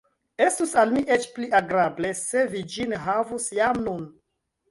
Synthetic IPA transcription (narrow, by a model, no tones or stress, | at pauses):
e̞stusalmiʔet͡ʃpliʔaɡɾable̞se̞vid͡ʒinɦavusjamnun